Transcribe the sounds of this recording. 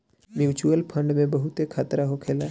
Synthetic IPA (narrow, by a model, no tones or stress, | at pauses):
mjuːt͡ʃuəlpʰə̃ɳɖmẽbɐɦʊt̪ekʰaːt̪ɾaɦokʰeːlaː